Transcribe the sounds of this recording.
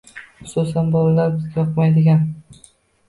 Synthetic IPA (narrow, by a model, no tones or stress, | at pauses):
χʊ̥susanbɒlalaɾbɪzɡʲajɒqmajd̪ɪɡʲan